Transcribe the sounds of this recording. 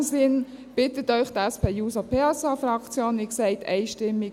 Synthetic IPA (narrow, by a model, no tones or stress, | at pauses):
sɪn | b̥ɪtətœʏxd̥̪əɛspʰeːjuːsɑpʰeːɑsɑfrɑkt͡sjoːniksɛɪtʰɛ̰ɪʃtɪmːɪ